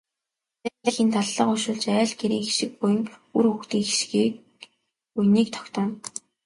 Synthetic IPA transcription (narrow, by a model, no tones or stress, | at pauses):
tæɮĭːxint̪ʰaɮːəːqʊʃʊːɮt͡ɕæːɮɡeɾiːŋxeʃɪ̆k̚pʊj̆ŋuruxt̪iːŋxeʃxi | pujniːk̚t̪ʰɔ̥kt̪ɔːn